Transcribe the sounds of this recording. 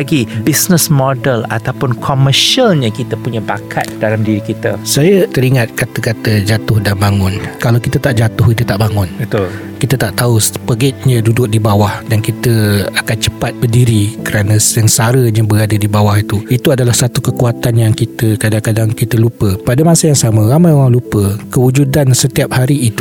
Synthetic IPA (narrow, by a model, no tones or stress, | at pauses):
ɡibisnəsmɔdəla̰t̪awpʊnkʰoməʃialɲəkit̪əpuɲãbakʰa̰t̪̚dalamdiɾikit̪əsajət̪əɾiŋat̪̚kat̪əkat̪əd͡ʒat̪ʊhdambaŋʊnkalawkit̪ət̪aʔd͡ʒat̪ʊhkit̪ət̪aʔbaŋʊnbət̪ʊl | kit̪ət̪aʔt̪auspəɡɛt̪̚ɲə̃dudʊk̚dibawahdankit̪əakant͡ʃə̥pat̪̚bədiɾikəɾanãsənsaɾəɲəbəɾadadibawahit̪uit̪uadalahsat̪ukəkuat̪anjaŋkit̪əkadaŋkadaŋkit̪əlupəpadəmasajaŋsamə̃ɾamãjoɾaŋlupəkəwud͡ʒudansət̪iap̚haɾiːt̪u̥